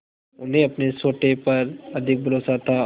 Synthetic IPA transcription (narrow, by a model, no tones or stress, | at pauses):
ʊnɦẽɐpnesoːʈepɐɾɐd̪ʱɪk̚bʱɐɾoːsat̪ʰa